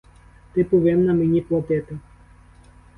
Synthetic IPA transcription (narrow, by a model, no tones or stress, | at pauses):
t̪ɪpʊʋɛmnɐmenʲiplˠɔt̪ɛt̪ɪ